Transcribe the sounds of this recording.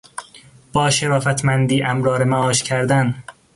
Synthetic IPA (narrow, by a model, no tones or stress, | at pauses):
b̥ɒːʃeɾɒːfæt̪ʰmænd̪iːʔæmɾɒːɾemæɒːʃcʰæɾd̪æn